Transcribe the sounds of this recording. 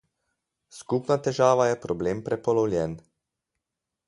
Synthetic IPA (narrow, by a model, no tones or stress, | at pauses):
skupnat̪ɛʒaːʋajɛpɾɔbleːmpɾɛpɔlɔwlʲjɛn